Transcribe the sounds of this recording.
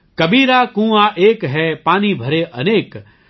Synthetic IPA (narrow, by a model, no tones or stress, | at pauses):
kɐbiːɾaːkũːaːʔeːkɦɛpaːnibʱɐɾeʔɐneːk